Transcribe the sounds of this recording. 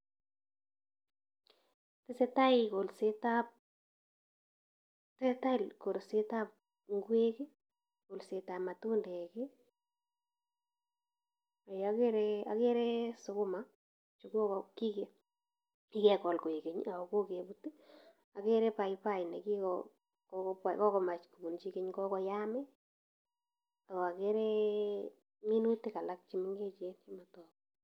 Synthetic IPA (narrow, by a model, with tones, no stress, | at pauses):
tɪ˦se˦ta˦iko˨lse˦ta˦p̚ | tɛ˦ta˦˨lko˨ɾse˦ta˦p̚ | ŋɡwe˦kɪ˦ | ko˨lse˨ta˨ma˨tu˦ndɛ˨kɪ˦ | a˨ja˦ke˦ɾɛa̰˨ke˦ɾɛ˦sʊ˧kʊ˦ma | t͡ʃuku˦kɔki˦ke | ki˦kɛ˨kɔ˨lko˨i˨ke˨ɲa˨kɔ˨ko˦ke˨puti˦ | a˨ke˦ɾɛ˦pa˨jpa˦jnɛ˨ki˦kɔ | kpakɔ˦kɔma˨t͡ʃku˨bu˨nt͡ʃi˦ke˦ɲkɔ˦kɔ˦jamɛ˦ | a˨kɔ˨a˨ke˦ɾɛ | mi˦nu˦teka˨lak̚t͡ʃi˦mɪŋɡe˦t͡ʃent͡ʃimatɔːk